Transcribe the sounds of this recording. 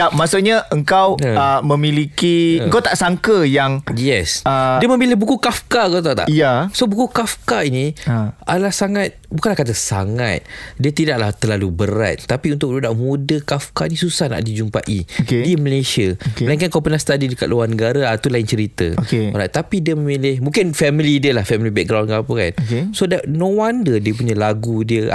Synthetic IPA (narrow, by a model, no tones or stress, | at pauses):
ap̚masʊʔɲaʔəŋkawəəmə̃mĩlikiəŋkawt̪aʔsaŋkəjaŋjɛsəiəmə̃mbilɪhbukukafkaəŋkawt̪at̪a̰ʔjasobukukafkainiʔalahsaŋat̪̚bukanlahkat̪̬asa̰ŋa̰t̪̚diət̪idaʔ̚laht̪ərlalubəɾa̰t̪̚ːapiunt̪ʊk̚dudaʔmudəkafkanĩsusahna̰ʔdid͡ʒumpa̰ʔḭokediməlesiaokelaiŋkankɔmpənast̪adidəka̰t̪luwarnəɡaɾaat̪ulaɪnt͡ʃəɾit̪ə̰okenat̪apidiəmə̃milɪhmũŋkɪnfɛmilidiəlahfɛmilibɛk̚ɡɾawnkaapəka̰nokesodanõwandədiəp̬uɲalaɡudiə̰